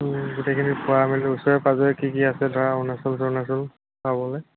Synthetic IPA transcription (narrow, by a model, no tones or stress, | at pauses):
ɡutekʰinipʊwamilɛusɔɹɛpazɔɛkikiasɛdʱɔɹaʊnasɔls̬ɔnasɔl | pabɔlɔj